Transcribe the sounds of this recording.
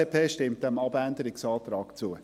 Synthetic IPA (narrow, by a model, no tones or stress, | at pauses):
epʰeːʃtɪmt̚d̥ɛmɑbændəɾɪksɑːtɾɑːkt͡suːə